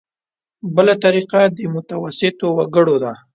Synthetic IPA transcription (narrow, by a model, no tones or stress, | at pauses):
bəlat̪aɾiqad̪əmʊt̪awasɪt̪owaɡəɽod̪a